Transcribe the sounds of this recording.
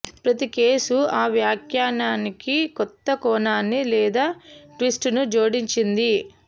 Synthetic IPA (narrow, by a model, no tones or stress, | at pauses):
pɾɐt̪ikeːsuaːʋjaːkʰjaːnaːnikikɔt̪ːɐkɔːnaːnːilɛːd̪aːʈʋisʈnud͡ʒoːɽiɲt͡ʃind̪i